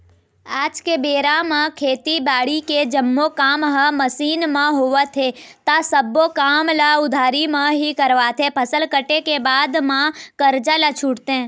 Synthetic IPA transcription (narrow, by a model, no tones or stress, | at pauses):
aːd͡ʒkebeːɾamãkʰeːt̪ibaːɽiked͡ʒəmːokaːmɦəməsiːnmãɦoʋat̪ʰet̪asəbokamlaʊd̪ʱaːɾimãɦikəɾʋat̪ʰepʰəsəlkəʈekebaːd̪mãkəɾd͡ʒalat͡ʃʰuɽt̪ẽ